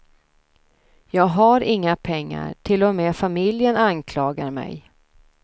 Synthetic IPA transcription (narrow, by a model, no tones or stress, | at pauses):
jɑːɡɦaɾɪŋːapʰɛŋːa̰ɾʈʰɪlːɔmeːfamɪljənankʰlɑːɡaɾmɛ̰j